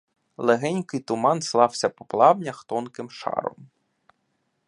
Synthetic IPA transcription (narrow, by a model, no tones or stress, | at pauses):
lˠeɦɛnʲkɪjt̪ʊmɑnslˠɑw̥sʲɐpɔ̥plˠɑbnʲɐxt̪ɔnkɪmʃɑ̰ɾɔ̰m